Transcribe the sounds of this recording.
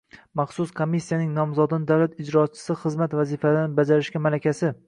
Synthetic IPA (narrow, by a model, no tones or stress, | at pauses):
mɑχsʊskʰomisːijanɪŋnɒmzɒd̪ɪnɪd̪awlat̪ɪd͡ʒɾɒt͡ʃʰːɪ̥sɪχɨzmat̪vazifalnɪbad͡ʒaɾɪʃkʲamalakʲʰasɪ